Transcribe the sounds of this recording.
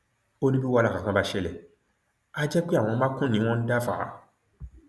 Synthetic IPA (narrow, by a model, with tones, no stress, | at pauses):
o˦nĩ˦bi˦wa˧la˨kã˨kã˦ba˧ʃɛ˦lɛ˨ | a˦d͡ʒɛ˦k͡pi˦a˨w̃ɔ̃˧˦mã˦kũ˦nĩ˨˦w̃ɔ̃˦n̩˦da˦fa̰˨a̰˨˦